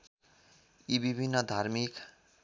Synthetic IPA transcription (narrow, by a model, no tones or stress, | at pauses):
ibibʱinːʌd̪ʱarmik